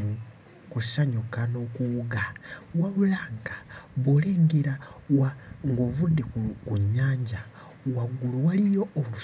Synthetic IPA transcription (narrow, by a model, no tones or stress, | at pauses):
kusaɲukano̞ːkuuɡawaβulaːŋɡḁβoːleːŋɡeɾawaŋɡo̞ːβudːekkuɲːaːɲɟa | waɡuluwalijo̞ːlu